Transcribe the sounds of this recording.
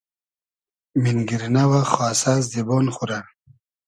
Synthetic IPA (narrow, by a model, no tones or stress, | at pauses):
minɡiɾinawaχwaːsaːz̬d̪ibonχuɾa